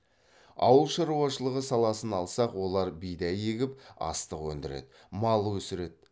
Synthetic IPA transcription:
ɑ̰wəlˠʃɑɾuɑʃəlˠəʁəsɑlˠɑsənɑlˠsɑqwo̞lˠɑɾbijd̪æje̞ɡʲɪpɑ̰st̪əqwɵnd̪ɪɾe̞̰d̪ | mɑlˠəwɵsɪɾe̞d̪̥̚

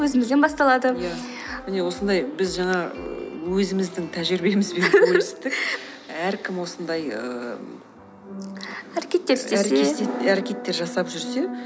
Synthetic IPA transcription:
wɵzɪmɪzd̪e̞nbɑst̪ɑlˠɑd̪əjæ | mɪne̞wo̞sənd̪ɑjbɪzʒɑɴɑə̰wɵzɪmɪzd̪ɪŋt̪ʰæʒɪɾbe̞mɪzbeɵɾse̥t̪ɪkæɾkʲʰɪmwo̞sənd̪ɑjə | æɾekʲe̞t̪ːe̞ɾɪst̪eseeeæɾekʲe̞t̪ːe̞ɾʒɑsɑpʒʏɾse̞

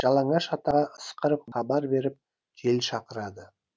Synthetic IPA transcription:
ʒ̥ɑlˠɑɴɑʃɑt̪ɑʁɑʔəsqəɾəp̚χɑbɑɾbe̞ɾɪp̚ | kʲʰe̞lʃɑqəɾɑd̪ə

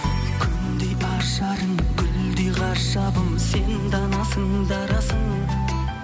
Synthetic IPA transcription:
kʲʰʏnd̪ejɑɾʃɑɾəmkʲʰʏld̪ejʁɑɾʃɑbəmsend̪ɑnɑsəŋ | d̪ɑɾɑsəŋ

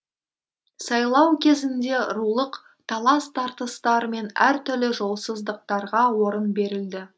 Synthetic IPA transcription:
sɑjlˠɑwkʲʰe̞zɪnd̪e̞ɾulˠəq | t̪ʰɑlˠɑst̪ʰɑɾt̪əst̪ɑɾəme̞næɾt̪ʏɾlɪʒo̞lˠsəzd̪əq̚t̪ɑɾʁɑwo̞ɾənbe̞ɾɪld̪ɪ

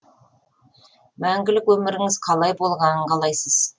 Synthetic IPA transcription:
mæŋɡʲɪlɪkwɵmɪɾɪŋɪz̥qʰɑlˠɑjbo̞lˠʁɑnəɴqɑlˠɑjsəz̥

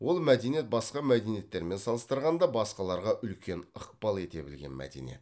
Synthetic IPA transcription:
wo̞lˠmæd̪e̞nijet̪̚bɑsqɑmæd̪e̞nije̞t̪ːe̞ɾme̞nsɑlˠəst̪əɾʁɑnd̪ɑbɑsqɑlˠɑɾʁɑʔʏlkʲʰe̞nəq̚pɑlˠe̞t̪e̞bɪlɡʲe̞̰nmæ̰d̪ḛnḭjet̪

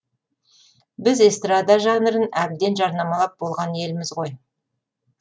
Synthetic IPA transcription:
bɪzest̪rad̪ɑʒɑnəɾənæb̪d̪e̞nʒɑɾnɑmɑlˠɑp̚bo̞lˠʁɑnje̞lɪmɪzʁo̞j

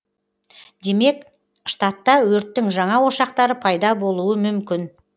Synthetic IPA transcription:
d̪̥e̞me̞k | ʃt̪ɑt̪ːɑwɵɾt̪ːɪŋʒɑɴɑwo̞ʃɑq̚t̪ɑɾəpʰɑjd̪ɑbo̞lˠuəmʏmkʲɪn

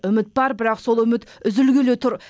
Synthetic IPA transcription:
ʏmɪt̪̚bɑɾbɪɾɑqso̞lˠʏmɪt̪ | ʏzɪlɡʲelet̪ʰʊɾ

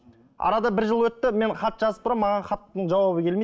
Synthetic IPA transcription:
ɑ̰ɾɑd̪ɑbɪɾʒəlˠwɵt̪ːɪme̞ɴχɑt̪ʒɑzəp̚t̪ʰɾɑmːɑʁɑnχɑt̪ːəɴʒɑwɑβəkʲe̞lme

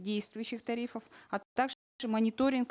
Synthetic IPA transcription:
dʲejst̪vʊjʉɕːɪxt̪ɐɾʲifəfɐt̪aɡʐ | ʐɨmɐnʲɪt̪o̞ɾʲɪnk

